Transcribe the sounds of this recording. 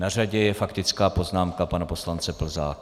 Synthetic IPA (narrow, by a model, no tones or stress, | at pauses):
nar̝aɟɛjɛfakt̪ɪt͡skaːpo̞znaːmkapanapo̞slant͡sɛpl̩za̰ːk